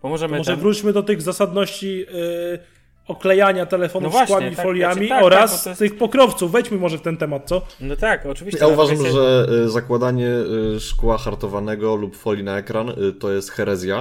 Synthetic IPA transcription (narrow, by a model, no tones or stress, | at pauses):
mɔʐɛmmɔʐɛvɾut͡ɕmɘd̪ɔt̪ɘɣzasad̪nɔɕt͡ɕi | ɔklɛjaɲat̪ɛlɛfɔnfvakwamʲifɔlʲjammʲiɔɾast̪ɘxpɔkɾɔft̪suvːɛjt͡ɕmɘmɔʐɛft̪ɛnt̪ɛmat̪̚t̪sɔnɔt̪akɔijjauvaʐamʐɛzakwad̪aɲɛʂkwaxaɾt̪ɔvanɛɡɔlupfɔlʲinaɛkɾant̪ɔjɛst̪xɛɾɛzʲja